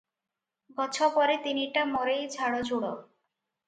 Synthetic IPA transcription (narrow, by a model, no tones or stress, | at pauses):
ɡɔt͡ɕʰopɔɾet̪iniʈamɔɾejd͡ʑʰʱaɽod͡ʑʱuɽo